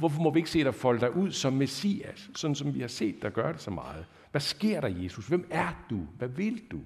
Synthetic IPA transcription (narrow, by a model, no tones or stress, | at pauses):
ʋɔfɒmɒʋie̝ɡ̥əse̝̰ːd̥ɑ̈fɒ̽ləd̥ɑ̈ɪʔuð̞̰ˠsɒ̽mːesḭæsːɒ̽n̥n̩sɒ̽mʋihɑ̈se̝̰ːd̥ːeɒɡ̥ɶɐɾ̥e̝sɒ̽mɑ̈ːð̞̩ˠ | ʋæsɡ̥e̝ɐ̰ɾ̥ɑ̈je̝ːsusʋem̰æɐd̥uʋæʋe̝ld̥u